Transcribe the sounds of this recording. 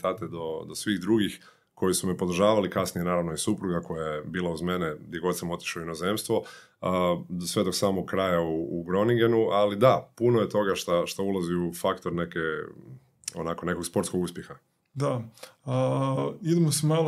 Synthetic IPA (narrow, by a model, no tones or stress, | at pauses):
t̪aːt̪ed̪o̞d̪osʋiɣd̪ɾuɡix | ko̞jisumipo̞d̪r̩ʒaːʋalikasnijenaːɾaʋnojisupɾuɡako̞jajebiːlˠauzme̞ned̪jeɡo̞t̪samo̞t̪i̥ʃauinoze̞mst̪ʋo̞ | d̪osʋe̞d̪o̞ksaːmoɡ̚kːɾaːjauːɡɾo̞niɡenualid̪apunoje̞t̪o̞ɡaʃt̪aʃt̪aulˠaziufakt̪o̞ɾne̞ke | o̰nakone̞ko̞ɡspo̞ɾt̪koɡuspʲjexa | d̪aəid̪emosimal